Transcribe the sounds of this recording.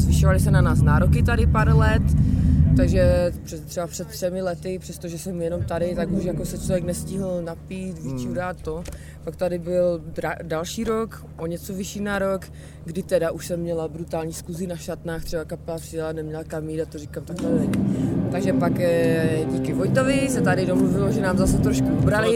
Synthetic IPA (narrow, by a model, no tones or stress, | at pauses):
zvɪʃovalɪsɛnanaːsnaɾokɪt̪adɪpaɾlɛt̪ːaɡʒɛpr̥ɛt̪ːrɛbapr̥ɛt̪t̪ːrɛmɪlɛt̪ɪpr̥ɛst̪oʒɛsɛmjɛno̞mt̪adɪt̪akuʃjakosɛt͡ʃlovjɛknɛscɪɦɪlnapiːt̪vɪt͡ʃuɾaːt̪t̪o | pakt̪adɪbɪldadalʃiːɾok | ʔoɲɛt͡sovɪʃiːnaɾo̞k | ɡdɪt̪ɛdaʔuʃsɛmːɲɛlabɾut̪aːlɲiːskuzɪnaʃat̪naːxt̪r̥ɛbakapɛlapr̥ɪjɛlanɛmɲɛlakamiːdat̪orɪkamt̪aklɛlɛɲit̪aɡʒɛpakɟiːkɪvojt̪ovɪsɛt̪adɪdomluvɪloʒɛnaːmzasɛt̪ɾoʃkuʔubɾalɪ